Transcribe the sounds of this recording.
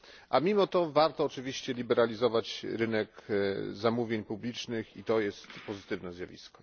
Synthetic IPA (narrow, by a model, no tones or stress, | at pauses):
ʔamʲimɔt̪ɔvaɾt̪ɔːt͡ʂɘvʲiɕt͡ɕɛlʲibɛɾalʲizɔvat͡ɕɾɘnɛkzamuvʲjeɲpublʲit͡ʂnɘxḭt̪ɔjɛst̪pɔzɘt̪ɘvnɛzjavʲḭskɔ̥